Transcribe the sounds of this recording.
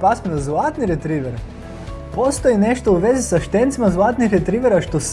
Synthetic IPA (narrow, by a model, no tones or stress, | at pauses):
pasmenozlˠat̪niɾet̪ɾiːʋeɾ | po̞st̪o̞jine̞ʃt̪ouʋe̞zisaʃt̪ent̪simazlˠat̪nixɾet̪ɾiʋeɾaʃt̪os